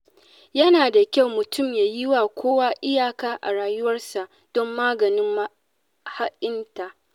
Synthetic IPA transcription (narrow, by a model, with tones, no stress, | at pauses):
jɐ˦naː˨da˨kʲa˦˨wmʊ˨tʰʊ˦˨mjaː˨ji˦waː˨kʷʰoː˦wa˦ʔɪ˦jaː˨kaː˦ʔa̰˨ɽaː˨jʊ˦wɐ˦rsa˨ʔ | d̥ɔ˦mːaː˦ɡɐ˨nɪ˦ma˦ | ha˦ʔʲɪ˦nta˨ʔ